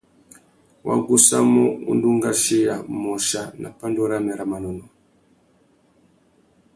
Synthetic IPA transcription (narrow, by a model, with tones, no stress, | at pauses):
wa̰˦ɡu˦sa̰˦mo˦ṵ˦ndu˦ŋɡa˦ʃi˦ja˨mo˨ʃa˦na̰˨pa˦ndo˦ɾa˦mɛ˨ɾa˨ma˨no˨no˨